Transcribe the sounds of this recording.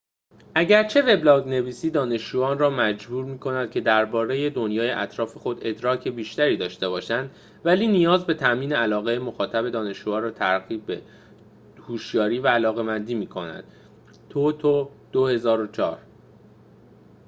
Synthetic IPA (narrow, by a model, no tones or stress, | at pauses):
ʔæɟæɾt͡ʃʰe̞ve̞blɒːɡne̞viːsiːd̪ɒːne̞ʃd͡ʒuːɒːnrɒːmæd͡ʒbuːɾmiːkʰo̞næd̪̥̚cʲʰe̞d̪æɾbɒːɾe̞je̞d̪o̞njɒːje̞ʔæt̪ʰɾɒːfe̞xo̞d̪e̞d̪ɾɒːcʰe̞biːʃt̪æɾiːd̪ɒːʃt̪e̞bɒːʃænd̪ | væliːnijɒːzbe̞t̪ʰæʔmiːneælɒːɣejemo̞xɒːt̪ʰæbe̞d̪ɒːne̞ʃuːɒːɾɒːt̪ʰæɾɣiːbbe | huːʃjɒːɾiːvæːlɒːɣe̞mænd̪iːmiːkʰo̞næ̰d̪̥ | t̪ʰot̪ʰo | d̪̥ohe̞zɒːɾot͡ʃʰɒ̰ːɾ